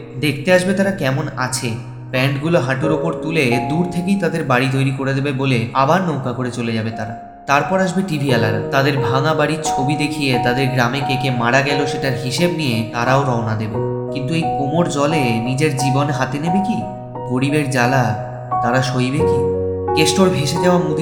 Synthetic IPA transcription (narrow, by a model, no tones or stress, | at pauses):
d̪ek̚ʰt̪eaʃbet̪aɾakɛmona̰t͡ɕʰe | pɛɳʈɡuloɦaʈuɾopoɾt̪uled̪uɾt̪ʰekejt̪ad̪eɾbaɽit̪ojɾikoɾed̪ebeboleʔa̰baɾnowkakoɾet͡ɕoled͡ʑabet̪aɾa | t̪aɾpɔɾaʃ̬beʈibʱialaɾa̰t̪ad̪eɾbʱaŋabaɽiɾt͡ɕʰobid̪ekʰijet̪ad̪eɾɡɾamekekemaɽaɡɛloʃeʈaɾɦiʃebnijet̪aɾaoɾɔonad̪ebekint̪uejkomoɾd͡ʑɔlenid͡ʑeɾd͡ʑibonɦat̪enebeki | ɡoɽibeɾd͡ʑala | t̪aɾaʃojbekikesʈoɾbʱiʃed͡ʑaoamud̪ʱ